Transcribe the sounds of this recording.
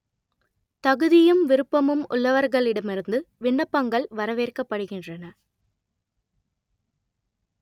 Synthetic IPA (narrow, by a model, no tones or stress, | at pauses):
t̪ɐɣɯðɪjɯmʋɪɾɯpːɐmɯmʊ̰ɭːɐʋɐɾɣɐɭɪɽɐmɪɾɯnd̪ɯʋɪɳːɐpːɐŋɡɐɭʋɐɾɐʋeːrkɐpːɐɽɯɣɪndrɐnɐ